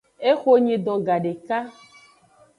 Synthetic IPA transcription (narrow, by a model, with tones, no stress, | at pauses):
e˦xo˦ɲĩ˨d̪ɔ˨ɡa˨ɖe˨ka˦